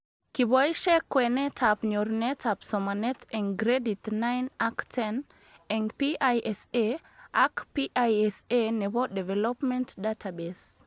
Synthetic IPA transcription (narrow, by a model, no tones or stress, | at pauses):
kibɔiʃɛkːwɛnɛtʰapɲoɾnɛtʰapsɔmanɛtʰɛŋɡɾeditnajnaktʰɛn | ɛŋpiajʔɛse | akpiʔajɛsenɛbɔdɛvɛlɔpmɛntdatʰabes